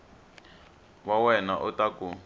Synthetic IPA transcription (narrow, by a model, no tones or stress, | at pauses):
wawɛnaʔutaku